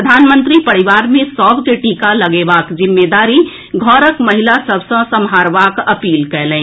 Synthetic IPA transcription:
ɾəd̪ʱaːnmə̃nt̪ɾipɐɽɪʋaːɾmẽsɔːbkeʈiːkalɐɡeːʋaːkd͡ʒɪmːeːd̪aːɾi | ɡʱɔːɾəkmɐɦɪlasəbsə̃sə̃mɦaːɾʋaːkɐpiːlkɛːlẽː

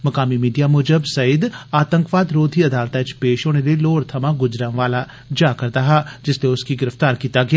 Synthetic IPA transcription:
mɐkaːmimiːɖijamʊːd͡ʒəbsɐɪd̪aːt̪ə̃ŋkʋaːd̪ɾoːd̪ʱiɐd̪aːlt̪ãt͡ʃpeːʃɦoːñeleloːɾt̪ʰəmãɡʊd͡ʒɾãʋaːla | d͡ʒaːkəɾd̪aɦaːd͡ʒɪst̪eʊskiɡɪɾəft̪aːɾkiːt̪aɡɪjaː

